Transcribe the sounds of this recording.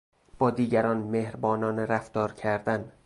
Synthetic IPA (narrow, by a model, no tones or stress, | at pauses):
b̥ɒːd̪iːɟæɾɒːnmehɾbɒːnɒːneɾæft̪ɒːɾcʰæɾd̪æn